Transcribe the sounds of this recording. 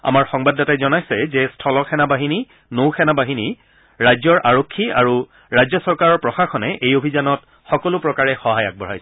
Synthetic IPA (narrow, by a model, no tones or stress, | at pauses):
a̰maɹxɔŋbadːɔtajzɔnajsɛzɛstʰɔlɔxʰɛnabaɦini | nowxʰɛnabaɦini | ɹajzɔɹʔaɹokʰːia̰ɹu | ɹajzɔsɔɹkaɹɔɹpɹɔxaxʰɔnɛʔejobʱizanɔt | xɔkɔlʊpɹɔkaɹɛxɔɦaja̰k̚bɔɹajsɛ